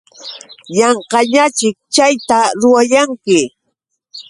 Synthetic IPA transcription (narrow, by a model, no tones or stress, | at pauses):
jɑɴqɑɲat͡ʃɪk̚t͡ʃajt̪aɾʊwajaŋkɪ